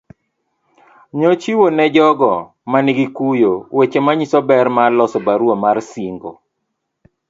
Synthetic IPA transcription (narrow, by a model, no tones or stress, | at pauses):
ɲɔt͡ʃiwonɛd͡ʒɔɡɔ | maniɡikujowet͡ʃemaɲisɔbɛɾmalɔsɔbaɾwomarsiŋɡo̰